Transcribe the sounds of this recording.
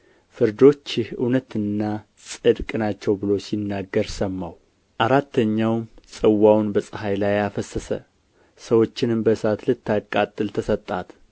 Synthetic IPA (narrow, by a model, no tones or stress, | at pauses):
fɨɾd̪o̞t͡ʃːɪhʔɨwnət̪ɨnːa | sʼɨd̪kʼnat͡ʃːɛwbɨlo̞sinːaɡːəɾsəmːaw | ʔaɾat̪ʰːəɲːawmsʼɨwːawnbəsʼɨhajlajafəsːəsə̰ | səwo̞t͡ʃːɪnɨmbəsat̪lɨt̪ːakʼat̪ʼːɨlt̪ʰəsət̪ʼːat̪